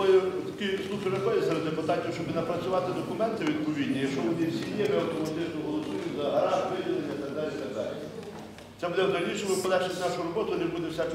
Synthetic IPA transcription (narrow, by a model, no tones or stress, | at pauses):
ɔjɛt̪ɐkɪsˠuxɐj̪ɐkɔjɛzɐɾd̪epʊt̪ɑtʲiwʃt͡ʃɔbɪnɐpɾɐt͡sʲʊʋɑt̪ɪd̪ɔkʊmɛnt̪ɪwʋʲid̪̚pɔʋʲid̪ʲnʲijɐkʃɔmʊnʲiwsʲinʲɛmɪɐwt̪ɔmɐt̪ɪʒnʊɦɔlˠɔsujʊmʲzɐɦɐɾɑxʋɪʋʲid̪enʲːɐit̪ɐɡ̚d̪ɑlʲit̪ɐɡd̪ɑ̰lʲḭ | t̪sɛbud̪ɛnɐɦlʲiʃɔbɪpɔd̪ɑt͡ʃɪsʲnɑʃʊrɔbɔt̪ʊnɪbud̪ɛwsʲak